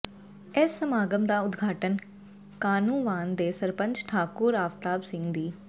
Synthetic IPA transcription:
eːsːəmaːɡəmd̪aːʊd̪ɡʱaːʈən | kaːnũːʋaːnd̪eːsəɾpə̃ɲd͡ʒʈʰaːkʊɾaːft̪aːbsɪ̃ŋɡd̪iː

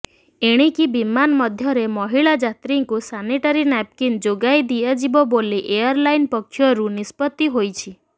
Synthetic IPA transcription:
eɽ̃ikibimanmɔd̪ʱjɔɾemɔɦiɭad͡ʒat̪ɾiŋkusaniʈaɾinap̚kind͡ʒoɡajd̪iad͡ʒibɔboliʔejɔɾlajnpɔkʰːjɔɾunispɔt̪ːiɦojt͡ʃʰi

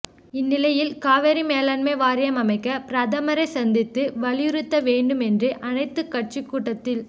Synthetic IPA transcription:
ɪnːɪlɐjɪlkaːʋɐɾimeːlaːnmeːʋaːɾɪjɐmɐmɐɪkːɐpɾɐðɐmɐɾɐɪsɐnd̪ɪt̪ːɯʋɐlɪjɪɾɯt̪ːɐʋeːɳɖɯmɛndrɯʔʔɐnɐɪt̪ːɯkːɐʈ̚t͡ʃikːuːʈːɐt̪ːɪl

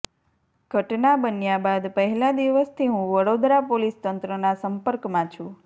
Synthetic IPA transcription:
ɡ̥ʱəʈnabənjabad̪pəɦɛlãd̪iʋəst̪ʰiɦũʋəɽod̪ɾapolist̪ənt̪ɾənasəmpəɾkmãt͡ʃʰũ

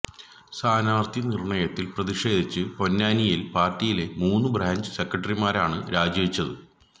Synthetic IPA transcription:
saːnaːrt̪ʰinirɳɐjɐt̪ːilprɐðiʂe̞ːd̪ʱit͡ɕːɨpo̞nːaːnijilpaːrtːijile̞muːnːɨbraːɲd͡ʑɨse̞krɐʈ̬ːɐrimaːɾaːɳɨɾaːd͡ʑɐʋit͡ɕːɐðɨ

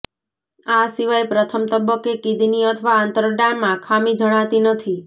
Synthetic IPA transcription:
asiʋajpɾət̪ʰəmt̪əbəkːekid̪ʱiniət̪ʰʋaːnt̪əɾɖanmãkʰamid͡ʒəɽ̃at̪inət̪ʰi

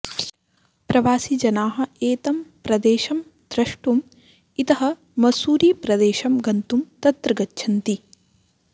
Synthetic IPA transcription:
pɾɐʋaːsid͡ʒɐnaːɦɐ̆eːt̪ɐmpɾɐd̪eːʃɐm | d̪̥ɾɐʂʈum | it̪ɐɦɐ̆ | mɐsuːɾiːpɾɐd̪eːʃɐmɡɐnt̪umt̪ɐt̪ɾɐɡɐtːʃʰɐnt̪i

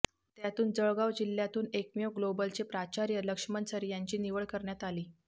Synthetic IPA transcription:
t̪jat̪uːnd͡zəɭɡaʋd͡ʑilːjat̪uːnekmijoɡlobəlt͡ɕepɾat͡ɕaɾjələkʂəmənsəɾijaɲt͡ɕiːniʋəɭkəɾɳjat̪aliː

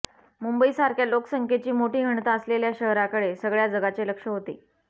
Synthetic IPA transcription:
mumbəiːsaɾkʰjaloksəŋkʰet͡ɕiːmoʈiːɦəɳt̪aəsleljaɕəɦɾakəɽesəɡɭjad͡zəɡat͡seləkʂəɦot̪ḛː

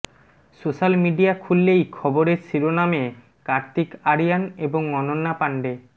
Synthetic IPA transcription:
soʃalmiɖiakʰulːejkʰɔboɾeɾsiɾoname | kaɾt̪ikaɾijaneboŋːɔnonːapaɳɖe

